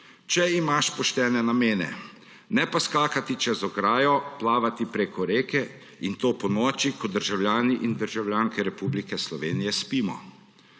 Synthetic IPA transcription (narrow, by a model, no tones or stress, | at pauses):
t͡ʃɛimaʃpɔʃt̪ɛːnɛnameːnɛ̰ | nɛpaskaːkat̪it͡ʃɛzɔɡɾaːjɔplaːʋat̪ipɾeːkɔɾeːkɛ | int̪oːpɔnɔːt͡ʃikɔd̪əɾʒawlʲjaːniʔind̪əɾʒawljaːŋkɛɾɛpublikɛslɔʋeːnijɛspiːmɔ̰